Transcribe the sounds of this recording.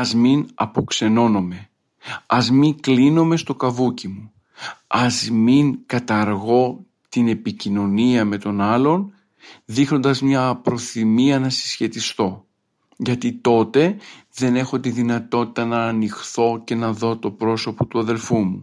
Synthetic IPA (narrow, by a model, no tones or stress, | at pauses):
ɐzminɐpo̞kse̞no̞no̞me̞ | ɐzmiŋklino̞me̞st̪o̞kɐvucimu | ɐzmiŋkɐt̪ɐɾɣo̞ | t̪ine̞picino̞niɐme̞t̪o̞nɐlo̞n | ðixno̞nd̪ɐzmɲɐpɾo̞θimiɐnɐsi̥sçe̞t̪ist̪o̞ | ʝɐt̪it̪o̞t̪e̞ðe̞ne̞xo̞t̪iðinɐt̪o̞t̪i̥t̪ɐnɐːnixθo̞ce̞nɐðo̞t̪o̞pɾo̞so̞po̞t̪uɐðe̞lfumu